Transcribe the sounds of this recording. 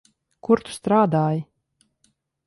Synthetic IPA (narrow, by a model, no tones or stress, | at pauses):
kuɾt̪u̥st̪ɾaːd̪aːji